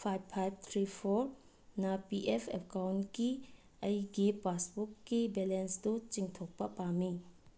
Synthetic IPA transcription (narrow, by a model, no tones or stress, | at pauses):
pʰajb̚pʰajb̚t̪ʰɾipʰoɾ | nɐpiʔepʰekawnki | ɐjɡipasbukːibelensdut͡ʃiŋtʰok̚pɐpami